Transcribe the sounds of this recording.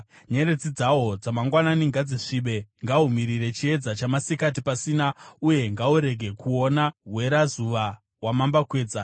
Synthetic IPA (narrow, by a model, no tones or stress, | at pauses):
ɲe̞ɾe̞d͡zid͡zao̞d͡zamaŋɡwananiŋɡad͡zeʂiɓe̞ŋɡaumiɾire̞t͡ʃie̞d͡zat͡ʃamasikat̬ipasiːnauje̞ŋɡauɾe̞ɡʱe̞kuo̞naɦwe̞ɾazuʋa | wamambakwe̞ːd͡za